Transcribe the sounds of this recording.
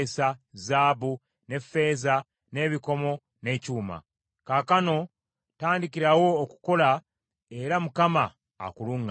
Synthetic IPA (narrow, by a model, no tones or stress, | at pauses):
sazaːβu | ne̞fːe̞ːza | ne̞βiko̞mo̞ | ne̞cuːma̰ | kakano̞ | taːndiciɾawo̞ːku̥ko̞la | e̞ɾamukama̰ː | kuluːŋɡa